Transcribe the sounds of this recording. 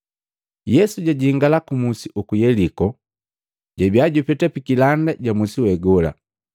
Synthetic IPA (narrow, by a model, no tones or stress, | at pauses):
jɛsuɟaɟiŋɡalakumusiʔukujɛlikɔ | ɟabjaɟupɛtapikilandaɟamusiwɛɡɔla̰